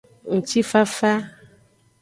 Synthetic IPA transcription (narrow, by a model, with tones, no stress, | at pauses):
ŋ̩̃˨t͡ʃi˦fa˦fa˦